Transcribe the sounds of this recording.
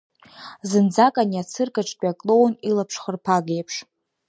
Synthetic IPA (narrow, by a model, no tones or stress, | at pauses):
zɨnd͡zakʼaniat͡sʰɨrkʼaʈ͡ʂʼkʼakʼlo̞wnilapʰʂχərpʰaɡejpʰʂ